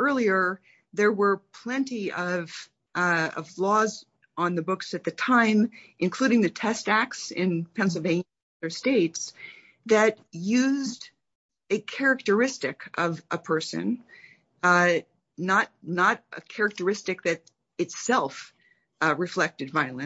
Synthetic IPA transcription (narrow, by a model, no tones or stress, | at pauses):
ɜ˞lˠiə˞ | ðə˞wə˞pʰl̥ɛ̃ntiʌv̥ | ʌ̰vlɔz | ə̃n̩ðɨbʊksɨt̪̚ðɨtʰãɪ̃mʔɨ̃nkʰl̥ʉɾɪ̃ŋðɨtʰɛstæk̚tsɪ̃npʰɛ̃nsl̩ˠvẽɪ̃n | ʌðə˞steɪts | ðɨt̚ | jʉzd | ɨkʰɛɹɨk̚tə˞ɪstɪkʰʌvəpʰɜ˞sɨ̰̃n | nət̚nəɾɨ̰kʰɛɹɨk̚tə˞ɪstɨk̚ðɨɾ | ɨtsɛlˠf | ɹɨflɛk̚tɨdvaɪlˠɨ̃